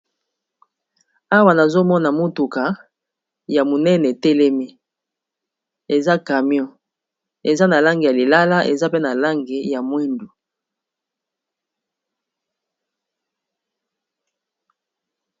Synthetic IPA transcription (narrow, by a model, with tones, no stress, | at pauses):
a˦wa˨na˨zo˦mɔ˦na˨mo˦tu˨ka˨˦ | ja˨mo˨nɛ˦nɛ˨te˦lɛ˦mi˦ | e˨za˦ka˨mjɔ̃˦ | e˨za˦na˨la˦ŋɡi˨ja˨li˨la˦la˦ʔe˨za˦pe˦na˨la˦ŋɡe˨ja˨mwi˦ndu˨